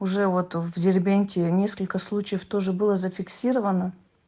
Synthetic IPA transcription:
ʊʐɛvot̪vdʲɪrʲbʲenʲtʲɪnʲeskəlʲkəslˠut͡ɕɪjəft̪o̞ʐɨbɨlˠəzəfʲɪksʲiɾəvənə

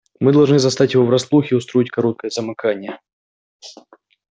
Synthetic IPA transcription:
mɨd̪ɐlˠʐnɨzɐst̪atʲjɪvovɾɐslˠuxʲɪʊst̪ɾo̞itʲkɐɾot̪̚kəjəzəmɨkanʲɪjə

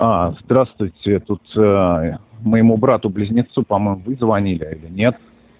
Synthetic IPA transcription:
azd̪ɾast̪vʊjtʲɪt̪ut̪ | məjɪmubɾat̪ʊblʲɪzʲnʲɪt̪supɐmojmʊvɨzvɐnʲilʲɪilʲɪnʲe̞t̪

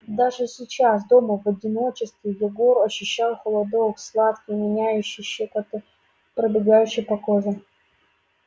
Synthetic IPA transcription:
d̪aʐɨsʲɪt͡ɕas̬d̪o̞məvɐdʲɪno̞t͡ɕɪst̪vʲɪjɪɡoɾɐɕːʊɕːalˠxəlˠɐd̪okslˠat̪kʲɪjmʲɪnʲajʉɕːɪjɕekɐt̪ɨ | pɾəbʲɪɡajʉɕːɪjpɐkoʐɨ

